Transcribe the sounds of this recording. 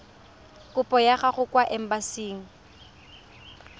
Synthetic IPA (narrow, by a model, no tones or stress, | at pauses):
kʼʊpʼɔjaχaχʊkʼwaʔɛm̩basiːŋ̩